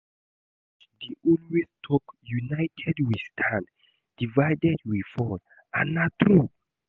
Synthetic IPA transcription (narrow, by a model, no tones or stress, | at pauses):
diʔɔlwestʰɔkjunajtʰɛdwistʰãn | d̥ivajdɛd̚wifɔl | anat̪ɾu